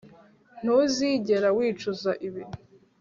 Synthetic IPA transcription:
n̥uziːɟe̞ɾawiːt͡ʃuzaʔiβiɾ

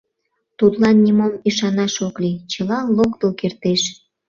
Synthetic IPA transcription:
t̪ut̪lɑnːimomiʃɑnɑʃoklit͡ɕəlɑlokt̪okert̪eʃ

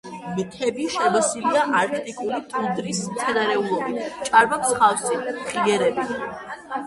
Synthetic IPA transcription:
mt̪ʰɛbiʃɛbasiliaʔaɾk̪ʼɛt̪ʼikʼulit̪ʼud̪ɾismt̪sʰɛnaɾɛulˠɔbit͡ʃʼaɾbakʰsχafsiχiɛɾɛbi

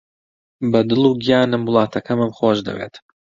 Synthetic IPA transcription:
bɐd̪ɨlˠuːɡijaːnɨmwʊlˠɑːt̪ʰɐkʰɐmɨmχoːʒd̪ɐ̰wḛːt̪

